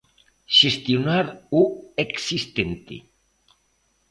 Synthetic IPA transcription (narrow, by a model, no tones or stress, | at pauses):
ʃest̪jonaɾueksist̪ent̪ḛ